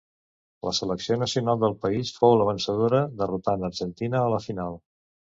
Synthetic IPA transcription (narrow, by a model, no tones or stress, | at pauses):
lʔəsələksionəsiunalˠd̪əlˠpəisfowləβənsəð̞oɾəðərut̪anəɾʒənt̪inəːləfinalˠ